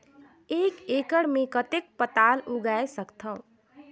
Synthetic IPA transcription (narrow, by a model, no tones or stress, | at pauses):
ekekəɽmekət̪ek̚pət̪aluɡaesəkt̪ʰəʊ̃